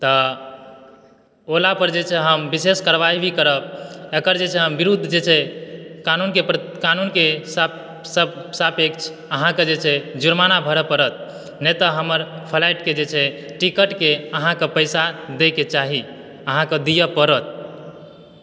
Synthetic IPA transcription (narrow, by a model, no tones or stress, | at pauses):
t̪ə | olapəɾd͡ʒet͡ʃʰɛɦəmbiseskəɾʋajbʱikəɾəb̚ekəɾd͡ʒet͡ʃʰɛɦəmbiɾud̪ʱːd͡ʒet͡ʃʰɛkanunkepkanunkes | səbsapekt͡ʃʰ | əɦãked͡ʒet͡ʃʰɛd͡ʒuɾmanabʱəɾəpəɾət̪̚ | nɛt̪əɦəməɾpʰəlaiʈked͡ʒet͡ʃʰɛ | ʈikəʈkeəɦãkepəjsad̪eket͡ʃaɦi | əɦãkəd̪ijəpəɾət̪̚